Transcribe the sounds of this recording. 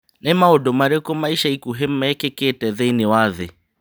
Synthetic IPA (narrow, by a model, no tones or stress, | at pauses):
nɛmaodomaɾekomaiʃaikuɦem̩aɛkeketɛðeinɪwaðɪ